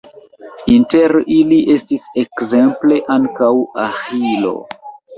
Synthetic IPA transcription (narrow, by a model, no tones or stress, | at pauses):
inte̞ɾiliʔe̞stisekze̞mple̞ʔaŋkawahilo̞̰